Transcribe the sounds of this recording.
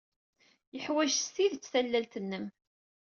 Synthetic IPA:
jəħwæʒsθiðt͡sːθælːælt̪ənːəm

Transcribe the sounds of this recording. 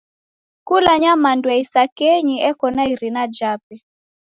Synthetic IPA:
kulaɲamandwɛisakɛɲiʔɛkɔnaiɾinad͡ʒap̚ɛ

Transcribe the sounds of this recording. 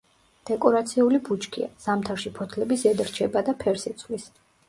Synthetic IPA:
d̪̥ɛkʼɔɾat̪sʰiulibut͡ʃkʰḭa̰z̥amt̪ʰaɾʃipʰɔt̪ʰlɛbisɛd̪ɾt͡ʃʰɛbad̪apʰɛɾsit̪sʰʼlis

